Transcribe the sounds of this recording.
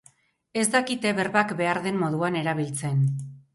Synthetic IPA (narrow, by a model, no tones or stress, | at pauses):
e̞zd̪akit̪eβe̞ɾβakbe̞aɾðe̞mmo̞ðuane̞ɾaβilt͡se̞n